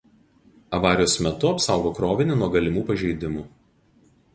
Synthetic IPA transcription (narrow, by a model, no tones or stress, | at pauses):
ɐʋɑːɾʲɪjoːsmʲɛt̪ʊɐpsɑˑʊɡoːkɾoːʋʲɪnʲɪnuɔɡɐlʲɪmuːpɐʒʲɛɪd̪ʲɪmuː